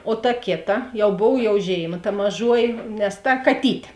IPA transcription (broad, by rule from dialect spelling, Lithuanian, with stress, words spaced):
oː tɐ ˈkʲeːˌtɐ ˈjɛʊ ˈboːw jɛʊ ˈʒʲeːɪˌmɐ tɐ mɐˈʒuɔjɪ nʲɛs ˈtɐ kɐˈtʲiːtʲeː